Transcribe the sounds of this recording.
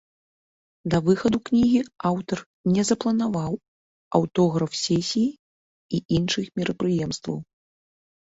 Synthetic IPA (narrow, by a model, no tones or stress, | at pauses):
d̪ɐvɨxɐd̪uknʲiɣʲiawt̪ɐr | nʲɛzɐplˠɐnavaw | ɐ̰wt̪ɔɣɾɐfsʲɛsʲiji | iʔinʂɨxmʲiɾɐpɾɨjɛmst̪vɐ̰w